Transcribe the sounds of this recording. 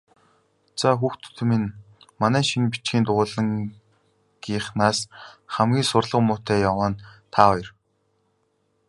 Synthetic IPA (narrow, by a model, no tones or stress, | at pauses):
t͡saxuːxt̪ʰt̪̆ʰmin | manæːʃinpi̥t͡ɕɡʲiːnt̪ʊʊːɮə̆ŋ | ɡ̥iːχnaːsχæmɡʲiːŋsʊrɮə̆qmʊːt̪æːjawaːnt̪ʰaːɔjɞ̆r